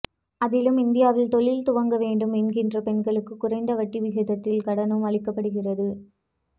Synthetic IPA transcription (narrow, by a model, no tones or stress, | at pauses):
ɐðɪlɯmɪnd̪ɪjaːʋɪlt̪ɔɭɪlt̪ʊʋɐŋɡɐʋeːɳɖɯmɛnɡɪndrɐpɛɳɡɐɭɯkːɯkːʊrɐɪnd̪ɐʋɐʈːiʋɪɣɐðɐt̪ːɪlkɐɽɐnɯmɐɭɪkːɐpːɐɽɯɣɪrɐðɯ